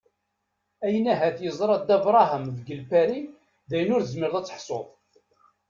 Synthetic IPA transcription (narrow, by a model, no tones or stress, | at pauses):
æjənæɦæθjəzˤɾˤɑd̪æbɾˤɑɦəmðɡəlpæɾi | ðæjənʊɾəzməɾðˤæt͡sːə̥ħsˤoðˤ